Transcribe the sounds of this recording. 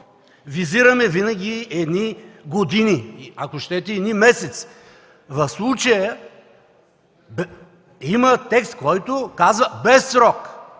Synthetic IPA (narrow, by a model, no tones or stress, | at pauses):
viziɾɐmɛvinəɡʲiɛd̪niɡod̪iniiakoʃt̪ɛt̪ɛɛd̪nimɛsɛt̪s | vɐfslˠut͡ʃəjə | b | imət̪ɛkst̪̚kɔjt̪ʊkazvəbɛsːɾɔk